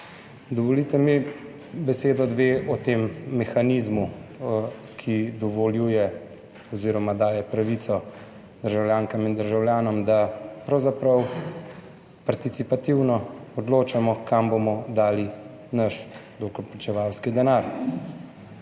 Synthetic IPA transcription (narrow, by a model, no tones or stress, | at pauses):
d̪ɔʋɔlit̪ɛmi | bɛseːd̪ɔd̪ʋeːʔɔt̪eːmːɛxaniːzmu | kʰid̪ɔʋɔljuːjɛ | ɔziːɾɔmad̪aːjɛpɾaʋit̪sɔ | d̪̥əɾʒawljaːŋkamind̪əɾʒawljaːnɔmd̪apɾɐwzapɾɐw | paɾt̪it̪sipat̪iwnɔɔd̪loːt͡ʃamɔkambomɔd̪aːli | nɐʃd̪oːkɔɾplat͡ʃɛʋawskid̪ɛnaːɾ